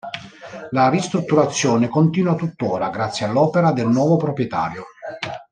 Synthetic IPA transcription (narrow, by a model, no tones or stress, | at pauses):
larist̪ɾut̪ːuɾat̪sːjoːnekont̪iːnuat̪ut̪ːoːɾaɡɾat̪sːjialːɔːpeɾad̪elnwɔːvopɾopɾjɛt̪a̰ːɾjo